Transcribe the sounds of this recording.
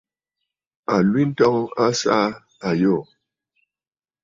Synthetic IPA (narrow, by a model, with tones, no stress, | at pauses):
a˨lwi˦n̩˦tɔ˦ŋa˦sa˦ | a˨jo˦˨